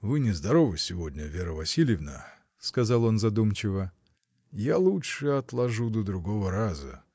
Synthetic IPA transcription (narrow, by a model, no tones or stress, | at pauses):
vɨnʲɪzd̪ɐɾovɨsʲɪvo̞dʲnʲəvʲeɾəvɐsʲilʲjɪvnə̰ | skɐzɑlˠo̞nzɐd̪umt͡ɕɪvə | jalˠutʂɨɐt̪lˠɐʐud̪əd̪ɾʊɡo̞vəɾazə̰